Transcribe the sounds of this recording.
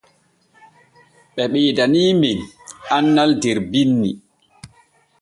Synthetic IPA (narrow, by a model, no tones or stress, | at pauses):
ɓɛɓeːdaniːminanːaldɛɾbinːi